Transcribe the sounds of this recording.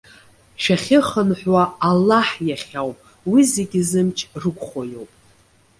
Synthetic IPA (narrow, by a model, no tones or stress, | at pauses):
ʃʷᶣaχʲɪχənħʷwaːlːaħjaχʲawpʼ | wizeɡʲizɨmt͡ʃʰrɨkʷʼχojowpʼ